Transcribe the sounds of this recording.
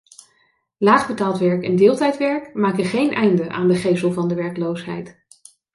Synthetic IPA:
laːχbətaːlˠtʋɛɹkɛndɪːlˠtɛjtʋɛɹkmaːkəχejnʔɛjndəʔa̰ːndəχejsəlˠvɑndəʋɛɹklowsɦɛjt

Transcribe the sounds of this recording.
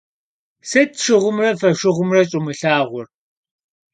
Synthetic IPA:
sɐtʰʃɪʁʷʊmrɐfɐʃɪʁʷʊmrɐɕʼɪmɨɬaːʁʷʊr

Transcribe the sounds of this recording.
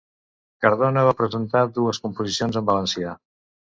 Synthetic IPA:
kəɾðonəβ̞apɾəzənt̪aðuəskumpuzisionzəmbələnsia

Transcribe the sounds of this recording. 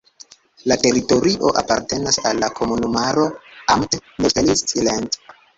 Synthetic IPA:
late̞ɾito̞ɾiʔo̞ʔa̰pa̰ɾte̞nasalːakʰo̞munumaɾo̞amtneselistilent

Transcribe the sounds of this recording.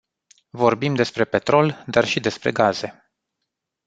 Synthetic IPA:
vo̞rbimd̪e̞spɾe̞pe̞t̪ɾo̞ld̪arʃid̪e̞spɾe̞̰ɡaz̥e̞

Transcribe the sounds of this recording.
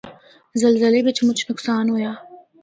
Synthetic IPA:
zəlzəlebet͡ʃʰmʊt͡ʃʰnʊksɑːnɦojaː

